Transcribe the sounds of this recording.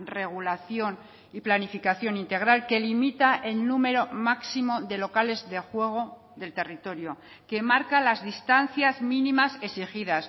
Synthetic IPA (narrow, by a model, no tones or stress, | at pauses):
re̞ɣ̞ulaθjo̞n | iplanifikaθjo̞nint̪e̞ɣɾalke̞limit̪aʔe̞lnume̞ɾo̞maksimo̞ðe̞lo̞kale̞zðe̞xwe̞ɣ̞o̞ | ðe̞lt̪e̞rit̪o̞ɾjo | ke̞maɾkalazðist̪anθjazmĩnimasesixiðas